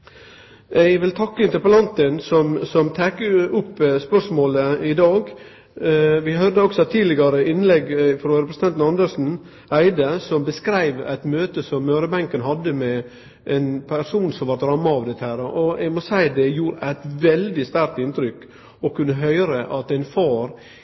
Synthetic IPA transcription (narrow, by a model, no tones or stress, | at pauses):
ɛɡʋɪlt̪ʰɑkːəɪnt̪əɾpəlɑnt̪ənsɔmsɔmt̪ʰæːkʊpːspœʂmoːləɪd̪ɑːɡ | ʋɪɦœɾd̪əɔksɔt̪ʰiːd̪lɪɡɑɾəʔɪnːlɛɡfɾɔɾɛpɾs̩t̪ɛnt̪nɑnd̪əʂn̩ | ʔæɪd̪əsɔmbəskɾæɪʋæ̰ɪt̪møːt̪əsɔmːøːɾəbæŋkənɦɑd̪ːəmɛ | ʔɛnpʰæʂuːnsɔmʋɑɾt̪ɾɑmːɑɑʋd̪ɛt̪ːəhæːɾʔɔɛɡmɔsæɪd̪ɛjuːɾəʔæɪt̪ʋɛld̪ɪst̪æɾk̚t̪ɪnt̪ɾʏk | ɔkʰʉnːəɦœʏɾəʔɑt̪æɪnfɑːɾ